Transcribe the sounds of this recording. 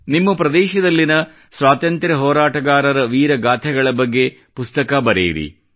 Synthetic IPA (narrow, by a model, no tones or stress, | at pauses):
nimːupɾɐd̪ɛːʃɐd̪ɐlːinɐ | sʋaːt̪ɐnt̪ɾɐɦɔːɾaːʈɐɡaːɾɐɾɐʋiːɾɐɡaːt̪ʰɛɡɐɭɐbɐɡːe̞ | pust̪ɐkɐbɐɾḛːɾḭ